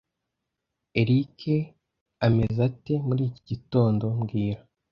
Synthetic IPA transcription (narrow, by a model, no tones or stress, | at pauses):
e̞ɾikʰe̞ | ame̞zate̞muɾiːciɟito̞ːndo̞mɡiːɾa